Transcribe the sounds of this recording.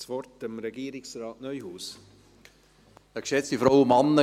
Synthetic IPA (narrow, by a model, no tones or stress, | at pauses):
svɔrtəmɾɛɡiːɾɪksraːtnœʏhuːs | əkʃɛt͡stifɾaʊəmɑnːə